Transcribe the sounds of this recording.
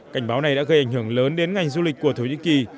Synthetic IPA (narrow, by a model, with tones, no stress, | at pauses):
ka˧˩jŋ̟ɓaː˨˦wna˨˩jɗa̰ː˧˥ɣə˧jʔa˧˩jŋ̟hɨ˧˩əŋləː˨˦nɗe˨˦nŋa˨˩jŋ̟zu˧lï˨˩k̟̚ku˧˩ət̪ʰo˧˩ɲḭ˧˥ki˨˩